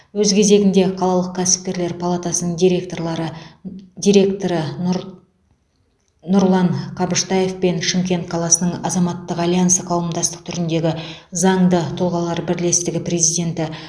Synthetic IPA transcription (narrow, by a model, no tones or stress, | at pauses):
wɵzkʲʰe̞ze̞ɡʲɪnd̪e̞qʰɑlˠɑlˠəq̚kʲʰæsɪ̥p̚kʲe̞ɾle̞ɾpʰalˠat̪ɑsənəɴd̪iɾe̞k̚t̪o̞ɾlˠɑɾəd̪ʲiɾe̞kt̪oɾə | nʊɾlˠɑɴqʰɑbɪʃt̪ɑjefpe̞nʃɪmkʲe̞nt̪̚qʰɑlˠɑsənəɴɑzɑmɑt̪ːəqɑlʲijant̪sɑqʰɑwəmd̪ɑst̪ə̥q̚t̪ʰʏɾɪnd̪e̞ɡʲɪzɑɴd̪ət̪ʰʊlˠʁɑlˠɑɾbɪɾle̞st̪ɪɡʲɪpre̞zijd̪ʲe̞nt̪ɪ